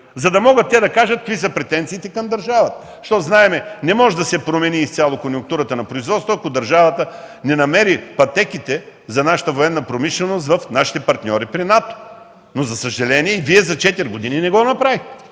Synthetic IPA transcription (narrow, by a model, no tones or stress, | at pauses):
zɐd̪ɐmɔɡət̪ːɛd̪ɐkaʒɐt̪̚kvisəpɾɛt̪ɛnt̪siːt̪ɛkɐmd̪ɐɾʒavɐt̪ə | ʃt̪ɔznaɛmɛnɛmɔʒɛd̪ɐsɛpɾomɛniːst̪sʲalˠokonjuŋk̚t̪uɾət̪ənɐpɾoizvɔt̪st̪voɐkod̪ɐɾʒavɐt̪ə | nɛnɐmɛɾipɐt̪ɛkit̪ɛzɐnaʃə̥t̪əvoɛnːəpɾomiʃlɛnost̪vɐfnaʃi̥t̪ɛpɐɾt̪nʲɔɾipɾinat̪o̥ | nozɐsəʒɛlɛniɛiviɛzɐt͡ʃɛt̪iɾʲɡod̪ininɛɡɔnɐpɾavixt̪ɛ